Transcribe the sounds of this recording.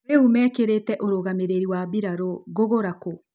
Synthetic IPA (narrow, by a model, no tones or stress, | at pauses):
eumɛkeɾetɛʔoɾoɣameɾeɾiwaβiɾaɾoɣoɣoɾako